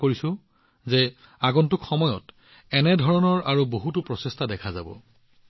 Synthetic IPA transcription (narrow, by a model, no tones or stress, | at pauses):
koɹisʊ̃ | zɛ | aɡɔntʊkxɔmɔjɔt | ɛnɛdʱɔɹɔnɔɹʔaɹuboɦutupɹɔsestadɛkʰaza̰bɔ̰